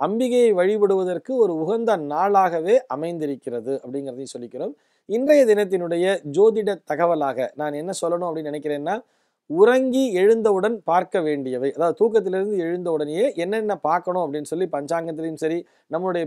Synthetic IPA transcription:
ɐmbɪɣɐjɐɪʋɐɻɪpɐɽɯʋɐðɐrkɯɔɾɯʊɣɐnd̪ɐnaːɭaːɣɐʋeːʔɐmɐɪnd̪ɪɾɯkːɪrɐðɯɐpːɐɽɪŋɡɪɾɐðɯsɔlːɪkːɪɾoːm | ɪndrɐjɐd̪ɪnɐt̪̬ːɪnɯɽɐjɐd͡ʒoːðɪɽɐt̪ːɐɣɐʋɐlaːɣɐ̰naːnɛnːɐsɔlːɐɳʊ̃ɐpːɐɽɪnːnɪnɛɪkːɪɾeːnːaː | ʊɾɐŋɡiɛɻɯnd̪ɐɯɽɐnpaːɾkɐʋeːɳɖɪjɐʋɐɪʔɐðaːʋðɯt̪uːk̬ːɐt̪̬ːɪlɪɾɯnd̪ɯɛɻɯnd̪ɐɯɽɐnɛjeːʔɛnːɐɛnːɐpaːɾkɐɳʊ̃ɐpːɐɽɪnːɯsɔlːipɐɲd͡ʒaːŋɡɐt̪̬ːɪlɐjɯmsɐɾi | nɐmːɯɯɽɐjɐ

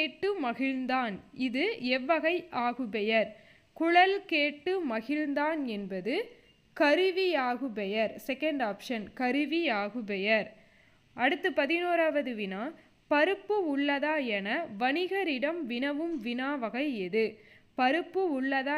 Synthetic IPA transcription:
eːʈːɯmɐɣɪɻnd̪aːnɪðɯɛʋːɐɣɐɪʔaːɣɯpɛjɐɾ | kʊɻɐlkeːʈːɯmɐɣɪɻnd̪aːnɛnbɐðɯ | kɐɾɯʋiaːɣɯpɛjɐɾsɛkɐɳɖaːpʂɐnkɐɾɯʋiaːɣɯpɛjɐɾ | ʔɐɽɯt̪ːɯpɐðɪnoːɾaːʋɐðɯʋɪnaː | pɐɾɯpːɯʊɭːɐðaːɛnɐʋɐnɪɣɐɾɪɽɐmʋɪnɐʋɯmʋɪnaːʋɐɣɐɪɛðɯpɐɾɯpːɯʊɭːɐðaː

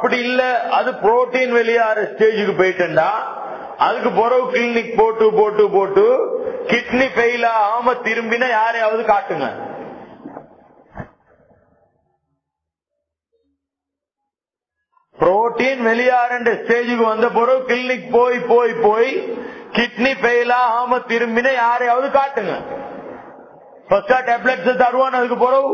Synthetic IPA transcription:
ɐpːɐɽiɪlːɐɐðɯpɾoːʈːiːnʋɛlɪjaːɾɐsʈeːd͡ʒɯkːɯpoːjɪʈːɐɳɖaː | ɐðɯkːɯpɔɾɐʋɯkɪlnɪk̚poːʈːɯpoːʈːɯpoːʈːɯkɪʈnifɛjlaːaːmɐt̪ɪɾɯmbɪnɐjaːɾeaːʋɐðɯkaːʈːɯŋɡɐ̰ | pɾoːʈːiːnʋɛlɪjaːɾɐɳɖɐsʈeːd͡ʒɯkːɯʋɐnd̪ɐp̬oːɾɐʋkɪlnɪkpoːjpoːjpoːjkɪʈnipɛjlaːɦaːmɐt̪ɪɾɯmbɪnɐjaːɾɐjaːʋɐðɯkaːʈːɯŋɡɐ̰ | pɐskːaːʈɛblɐʈsɐt̪ɐɾɯʋaːnɐðɯk̬ːɯpoːɾɐʋ

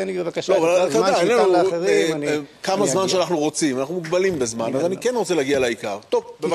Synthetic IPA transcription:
vloavalat̪ad̪aaenenuekamazmanʃeanaχnuʁo̞t͡simanaχnumuɡbalimbezmanazanikenʁot͡se̞leaɡialaika̰ʁt̪ovbev

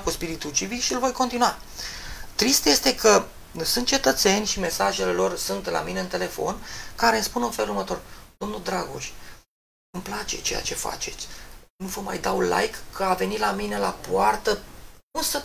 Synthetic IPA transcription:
kuspiɾit̪ud͡ʒivikʃiɨlvo̞jko̞nt̪inuwa | t̪ɾist̪je̞st̪e̞kʰə | sunt̪̚t͡ʃe̞t̪ət̪se̞nʲʃime̞saʒe̞le̞lo̞rsunt̪la̰mineɨnt̪e̞le̞fo̞̰nkaɾe̞nspunɨnfe̞lurmət̪o̞rd̪̥o̞mnuld̪ɾaɡo̞̰ʃt̪ʲ | ɨmplat͡ʃe̞̰t͡ʃe̞ja̰t͡ʃe̞fa̰t͡ʃe̞t̪sʲnuvəma̰jd̪aunla̰jkːʰəave̞nilamine̞lapoart̪əunsə

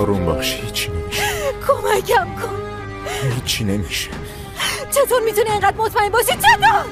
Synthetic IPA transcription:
ɾumbæ̰χʃhiːt͡ʃʰːinemiʃkʰomækʰæmkʰon | ɦiːt͡ʃʰːine̞miʃe̥ | t͡ʃʰe̞t̪ʰoːɾmiːt̪ʰunieŋɢæd̪̚mot̪ʰmæhembɒːʃid̪̥̚t͡ʃʰet̪ʰoɾ

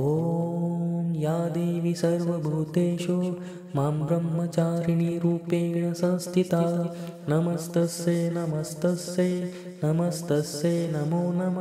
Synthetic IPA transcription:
oː | mjaːd̪eːʋisɐɾʋɐbʱuːt̪eːʃoː | maːmbɾɐmːɐt͡ʃaːɾiɳiɾuːpeːɳɐsɐ̃nst̪ʰit̪aːnɐmɐst̪ɐsenɐmɐst̪ɐseː | nɐmɐst̪ɐseːnɐmoːnɐm

